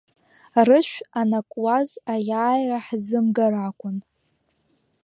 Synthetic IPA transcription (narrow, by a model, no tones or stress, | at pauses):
rɨʃʷᶣanakʷʼwazajaːjraħzɨmɡaɾakʷʼʊn